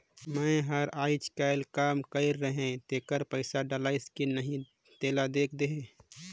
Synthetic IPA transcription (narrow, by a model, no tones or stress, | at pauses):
mə̃ɦəɾaːɪt͡ʃkaɪlkaːmkəɪɾːəɦẽt̪eːkəɾpəɪsaɖəlaːɪskinəɦĩ | t̪eːlad̪eːkʰd̪eɦe